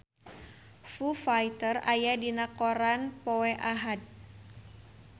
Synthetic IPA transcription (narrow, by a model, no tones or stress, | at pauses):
fufajt̪əra̰jadinakoɾanpɔwɛʔaɦad̪̚